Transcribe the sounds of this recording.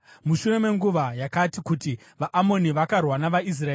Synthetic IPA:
muʃure̞me̞ŋɡuʋajakatikuti | ʋaʔːmo̞niʋakarwanaʋais̬raeː

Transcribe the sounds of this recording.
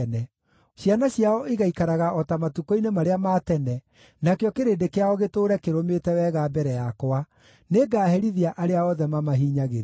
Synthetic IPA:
nɛ | ɕjanaɕjaɔiɣaikaɾaɣaɔtamatukoinemaɾeamaːtɛnɛ | nakjɔkeɾeːdekeaɔɣetoːɾɛkeɾometɛwɛːɣaːbɛɾɛjakoa | neɡaːhɛɾiðiaʔaɾeaɔðɛmamaɦiːɲaɣeɾe

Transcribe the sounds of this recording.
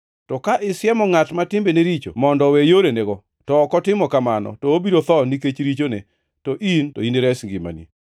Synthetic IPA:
tɔkaʔɪsjɛmɔŋatmatɪmbeneɾit͡ʃo̰mɔndɔwejoɾeneɡɔ | tɔːkɔtɪmɔkamanɔ̰tɔobiɾot̪ɔniket͡ʃɾit͡ʃone | tɔʔintoineɾɛsŋɡɪma̰nḭ

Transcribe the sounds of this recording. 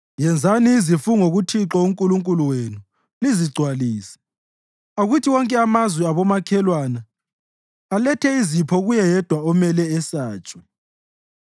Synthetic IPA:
jɛnd͡zʱaniːzifuŋoɣutʰiǁɔuŋkʼuluŋkʼuluwenu | liziɡ͡ǀʱwaliːsɛ̥ | aɣutʰiwɔŋkʼɛamazwɛaβɔmakʰɛlwana | alɛtʰɛizipʰɔɣujɛjɛd̥ʱwaɔmɛlɛːsaːt͡ʃʼwa

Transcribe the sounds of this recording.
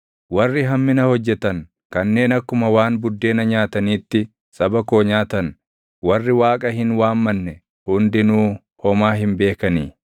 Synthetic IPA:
wɐrːɪɦɐmːɪnɐhɔd͡ʒːɛt̪ɐŋ | kɐnːe̞ːnɐkːʊmɐwaːnbʊd̪ːe̞ːnɐɲaːt̪ɐniːt̪ːɪ | sʼɐbɐkoːɲaːt̪ɐn | wɐrːɪwaːkʼɐhɪnwaːmːɐnːɛ | hʊnd̪ɪnuː | hɔmaːɦɪmbe̞ːkɐniː

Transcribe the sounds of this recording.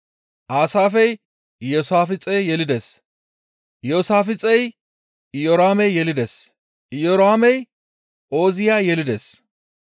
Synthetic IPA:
ʔaːsaːfɛj | jɔːsaːfɪt͡sʼːɛjjɛlɪd̪eːs | joːsaːfɪt͡sʼːɛj | ɪjoɾaːmɛjːɛlɪd̪eːs | ʔɪjɔɾaːmɛj | ʔo̞ːzɪjaːjɛlɪd̪es

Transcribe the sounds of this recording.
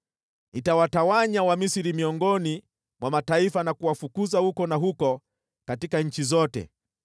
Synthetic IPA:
itawatawaɲawamisiɾimiɔŋɡɔni | mwamataifanakuwafukuzahukɔnaɦukɔ | katikaɲ̩t͡ʃizɔtɛ̰

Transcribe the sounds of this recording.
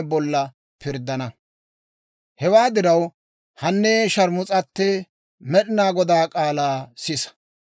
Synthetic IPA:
bɔlːɐ | pʰɪɾd̪ːɐnɐ | hɛwaːd̪ɪɾɐw | hɐnːeːʃɐɾmʊt͡sʼɐt̪ːɛ | mɛɗɪnaːɡɔd̪aːkʼaːlaːsɪs

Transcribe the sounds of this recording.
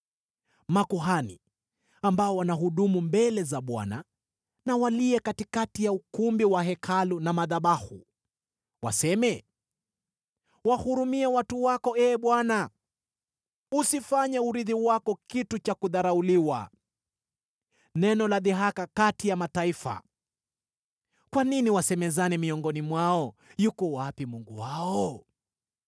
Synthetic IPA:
makuɦanḭ | ambaɔwanaɦuɗumumbɛlɛzaɓwa̰na | nawaliɛkatikatijaukumbiwaɦɛkʰalunamaðaɓahṵ | wa̰sɛmɛ | wahuɾumiɛwatuwakɔɛːɓwana | usifaɲɛuɾiðiwakɔkitut͡ʃakuðaɾauliwa̰ | nɛnɔlaðiɦakakatijamataifa̰ | kwaniniwasɛmɛzanimiɔŋɡɔnimwaɔjukɔwapimuŋɡṵwaɔ

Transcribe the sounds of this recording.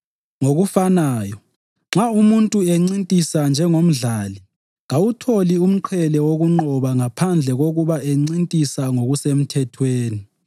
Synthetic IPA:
ŋoɣufanaːjɔ | ŋ͡ǁaumuntʼueŋ͡ǀintʼisand͡ʒʱɛŋom̩ɮaːli | ɣawutʰolium̩ǃʰɛlɛwoɣuŋ͡ǃɔβaŋapʰand͡ɮʱɛɣoɣuβaeŋ͡ǀintʼisaŋoɣusem̩tʰɛtʰweːni

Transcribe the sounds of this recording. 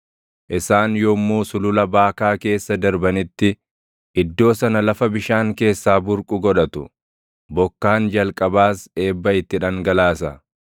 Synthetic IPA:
ʔɪsaːnjoːmːuːsʊlʊlɐbaːkaːke̞ːsːɐd̪ɐɾbɐnɪt̪ːɪ | ʔɪd̪ːo̞ːsɐnɐlɐfɐbɪʃaːŋke̞ːsːaːbʊɾkʼʊɡɔᶑɐt̪ʊ | bɔkːaːnd͡ʒɐlkʼɐbaːse̞ːbːɐɪt̪ːɪᶑɐŋɡɐlaːsɐ

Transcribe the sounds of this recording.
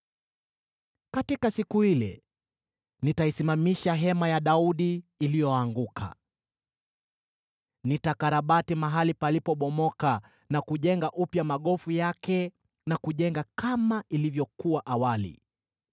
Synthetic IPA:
katikasikuhilɛ̰ | nitaisimamiʃaɦɛmajaɗauɗiːlijɔaːŋɡukʰa̰ | nitakaɾaɓatimaɦalipalipɔɓɔmɔka | nakuʄɛŋɡaʔupjamaɠɔfujakɛ | nakuʄɛŋɡakamaʔilivjɔkuwaʔawalḭ

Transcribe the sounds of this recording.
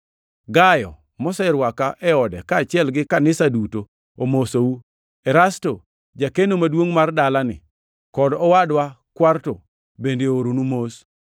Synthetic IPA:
ɡajɔ̰ | mɔsɛɪɾwakaʔɛɔdɛ̰kaːt͡ʃɪɛlɡɪkanɪsaduto | omosou | ɛɾasto | d͡ʒakenomadwoŋmardalanɪ̰ | kɔdɔwadwakwarto | bendeoɾonumos

